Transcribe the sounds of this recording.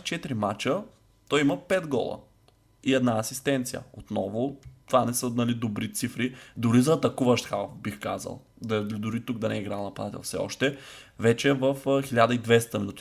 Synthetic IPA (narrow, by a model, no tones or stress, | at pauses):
t͡ʃɛt̪ɾimat͡ʃə | t̪ɔjimɐpɛd̪ɡɔ̰lˠə̰ | iɛd̪naɐsist̪ɛnt̪sijə̰ot̪nɔvʊt̪ovanɛsənɐlid̪obɾit̪sifɾid̪ʊɾizɐːt̪ɐkuvɐʃt̪xawfbixka̰zə̰lˠ | d̪ɐd̪ʊɾit̪uk̚d̪ɐnɛiɡɾalˠnɐpɐd̪at̪ɛ̰lˠfsɛ̰ɔ̰ʃt̪ɛvɛt͡ʃɛvəfxilʲad̪əid̪vɛst̪ɐminut̪i̥